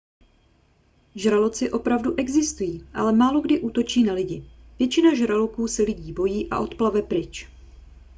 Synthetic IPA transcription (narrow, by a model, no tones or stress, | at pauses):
ʒɾalot͡sɪʔo̞pɾavduʔɛɡzɪst̪ujiːʔa̰lɛmaːlo̞ɡdɪʔuːt̪o̞t͡ʃiːnalɪɟɪvjɛt͡ʃɪnaʒɾalokuːsɛlɪɟiːbo̞jiːʔa̰ʔo̞t̪plavɛpɾɪt͡ʃ